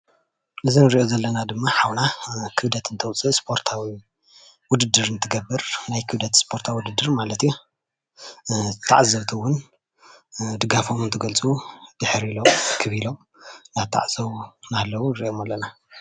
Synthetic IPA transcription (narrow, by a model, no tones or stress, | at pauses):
ʔɨzinɨɾiʔozɐlːɐnad̪ɨmːaħawnakʰɨβd̪ɐt̪ɨnt̪ʰɐwt͡sʼɨspʰo̞ɾt̪ʰawi | wʊd̪ɨd̪ːɨɾɨnt̪ʰɨɡɐbːɨɾnajkʰɨβd̪ɐt̪spʰo̞ɾt̪ʰawːʊd̪ɨd̪ːɨɾmalɐt̪ju | t̪ʰa̰ʕzɐβt̪ʰɨwːʊn | d̪ɨɡafo̞mɨnt̪ʰɨɡɐlt͡sʼud̪̥ɨħɾilomkʰɨβilo̞m | naβt̪ʰːa̰ʕz̥ɐwnalːɐwunɨɾḭʔo̞malːɐna